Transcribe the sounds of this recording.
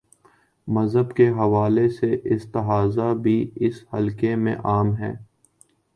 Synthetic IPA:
mɐzɦəbkeɦɐʋaːleseʔɪst̪ɐɦaːzabʱiɪshɐlkemḛ̃ʔaːmɦɛ̰ː

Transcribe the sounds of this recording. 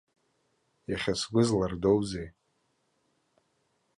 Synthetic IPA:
jaχʲasɡʷʊzlardowzej

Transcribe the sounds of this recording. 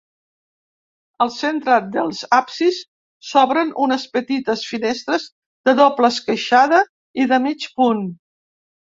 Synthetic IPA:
əlˠsent̪ɾəd̪əlˠzapsisː | ɔβɾənʔunəspət̪it̪əsfinest̪ɾəz | ðəðɔpləskəʃaðə | iðəmit͡ʃpun

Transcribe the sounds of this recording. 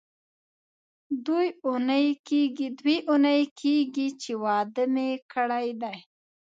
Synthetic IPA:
d̪ujunəjkeɡid̪wiʔunəjkʰeɡit͡ʃewɑd̪əmekʰəɽajd̪aj

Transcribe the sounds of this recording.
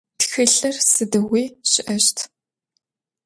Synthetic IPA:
txɨɬɐrsɨdɐwiːɕɪʔɐʃtʰ

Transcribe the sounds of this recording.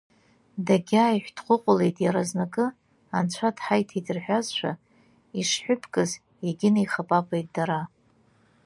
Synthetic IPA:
daɡʲaːiħʷᶣdχʷʊqʷʼʊlejtʼjaɾaznakʼɨ | ant͡ʃʷʰadħajtʰidɨrħʷᶣazʃʷʰa̰ | iʂħʷᶣʊpʰkʼɨz | eɡʲɪnajχapʼakʷʰʼejt̚ʼdaɾa

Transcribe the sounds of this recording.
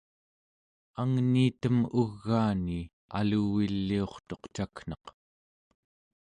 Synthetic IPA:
aŋniːt̪əmuɣːaːni | a̰luwilːio̞χt̪o̞qt͡ʃakn̥ʌq

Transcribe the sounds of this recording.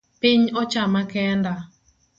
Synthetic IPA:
piɲɔt͡ʃamakɛnda

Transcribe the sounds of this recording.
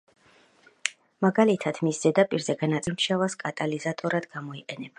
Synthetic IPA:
maɡalit̪ʰad̪̥misz̥ɛd̪apʼiɾzɛɡanat̪sʼmʃavaskʼat̪ʼalizat̪ʼɔɾad̪̥ɡamɔiqʼɛnɛb̥a

